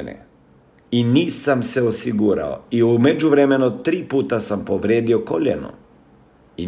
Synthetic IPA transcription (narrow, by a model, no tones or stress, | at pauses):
nḛ | iniːsamse̞osiɡuːɾa̰o̰iumed͡ʒuʋɾeme̞nut̪ɾiːpuːt̪asampoʋɾjeːd̪io̞koʎḛno̰ | i